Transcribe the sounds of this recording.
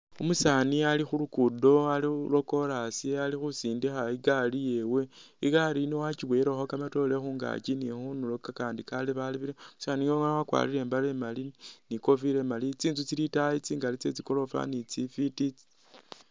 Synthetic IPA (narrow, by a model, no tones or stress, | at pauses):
omusanialixulukudo̞alilo̞ko̞ɾasiealixusiːndixaiɡalije̞weiɡaɾinowat͡ʃiβweɾexokamato̞lexuːŋɡa̰cinixunulokakaːndikaliβaliβiɾemusaniŋɡoŋanawakwa̰ːliɾe̞ːmbalemaliniko̞fiɾemalit͡siːnzut͡silitait͡siŋɡalit͡se̞t͡siko̞lo̞fa̰nit͡sifitit͡si̥